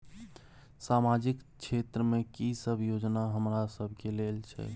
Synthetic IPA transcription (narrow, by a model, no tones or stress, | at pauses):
samad͡ʒikt͡ʃʰet̪ɾəmekisəbʱjod͡ʒnaɦəmɾasəbʱkelelt͡ʃʰɛ̰